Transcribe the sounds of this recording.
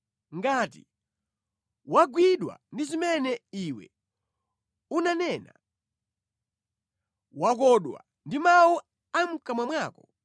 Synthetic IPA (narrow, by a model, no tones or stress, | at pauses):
ŋɡaːtḭ | waɡwiɗwa̰ndizimɛnɛiwɛ̰ | unanɛːna | wak̬ɔɗwa̰ | ndimawu | am̩kamwamwaːkɔ